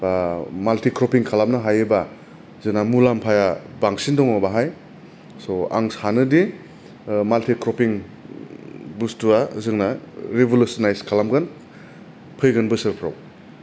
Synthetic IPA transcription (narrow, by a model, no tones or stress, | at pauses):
maltikɾɔpiŋkʰalamnaɦajɯba | zɯŋnamulampʰajabaŋsindɔŋɔbaɦaj | sɔa̰ŋsanɯdi | maltikɾɔpiŋ | bustuazɯŋnaɾibolusɔnajskʰalamɡan | pʰɯjɡɯnbɯsɯɾpʰɾaw